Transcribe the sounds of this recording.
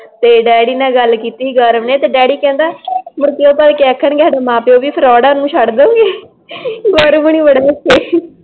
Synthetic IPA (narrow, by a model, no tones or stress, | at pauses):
t̪eːɖɛːɽiːnãːɡəlkiːt̪iːɡəɾəʋneːt̪eːɖɛːɽiːkɛ̃ːnd̪aːmʊɾkeoːpaːlkɛːkʰːəɳɡɛːɽamãːpeoːʋiːpʰəɾɔːɽãːnũːʃʰəɽd̪õːɡeː | ɡɔːɾbəɳ̃iːʋəɽaːkeː